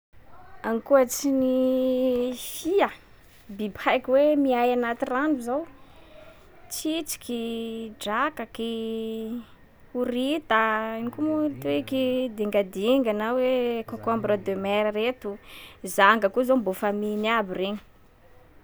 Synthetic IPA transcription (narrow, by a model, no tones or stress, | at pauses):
anikuat͡sini | fia | bibajkʲiwemiajanat̪iranuzaw | t͡sit͡si̥kʲiɖ͡ʐakaki | uɾit̪anikumut̪uikid̪iŋɡad̪iŋɡanawekokombɾad̪ømɛɾaɾet̪uzaŋɡəkuzombofaminabireɲi̥